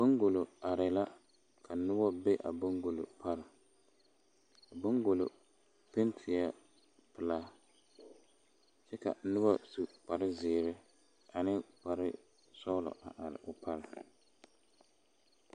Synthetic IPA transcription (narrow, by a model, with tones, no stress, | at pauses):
bo˦ŋɡo˨lo˨a˨ɾɪ˨la˦ | kʰa˨nʊ˦bɔ˦be˦ʔa̰˨bʊ˦ŋɡo˨lo̰˨pʰa˦ɾɪ˨ | a˨bʊ˦ŋɡo˨lo̰˨ | pe˦ntʰɪ˨a˦ | pɪ˨la˦ | t͡ʃɛ˦ka̰˨nʊ˦bɔ˦su˦k͡pa˨ɾɪ˦zɪː˨ɾɪ˦ | a˨nɪ˦k͡pa˨ɾɪ̰˦ | sɔ˦lɔ̰˨ʔa˨ʔa˨ɾɪ̰˨ʔʊ˨pa˦ɾɪ˨